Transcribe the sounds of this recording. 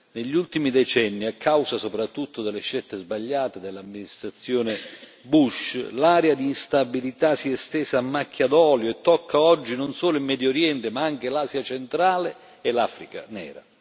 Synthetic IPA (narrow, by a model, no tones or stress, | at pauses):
neʎːult̪imid̪ɛt͡ʃɛnːiakʰːawsasopɾat̪ːut̪ːʊd̪elːeʃːɛlt̪ːezbaʎːaːt̪ed̪elːamːinist̪ɾat̪sːjɔːne | buʃlaːɾead̪iːnst̪abilit̪asiɛst̪ɛːsaːmːakːjad̪ɔːljoɛt̪ːɔkʰːaɔd͡ʒːinonsɔːlʊilmːɛd̪joɾjɛnt̪emaaŋk̟elaːsjat͡ʃent̪ɾaːle | ɛlaːfɾika̰nɛ̰ːɾa̰